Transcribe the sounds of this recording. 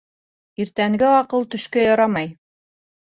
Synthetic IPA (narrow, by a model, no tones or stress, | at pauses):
iɾt̪æŋɡɘɑqɤlˠt̪ɵ̆ʃkæjɑɾɑmɑj